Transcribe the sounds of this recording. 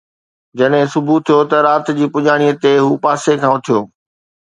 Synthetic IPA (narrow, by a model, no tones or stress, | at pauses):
d͡ʑɐɗɦɪ̃sʊbʱut̪ʰijot̪ɐɾaːt̪d͡ʑiːpʊʄaːɽ̃ijət̪eɦuːpaːsekʰãːʊt̪ʰijoː